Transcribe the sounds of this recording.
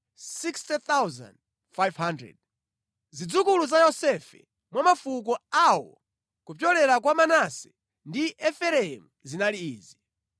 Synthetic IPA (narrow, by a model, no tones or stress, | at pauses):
sikstɛt̪awza̰nd̚ | fajvɦandɾɛ̰d̚ | zid͡zukuluzajɔsɛfɛ̰ | mwamafukɔawɔ̰ | kupjɔlɛɾak̬wamanasɛ̥ | ndiʔɛfɛɾɛɛmuzinaliiːzi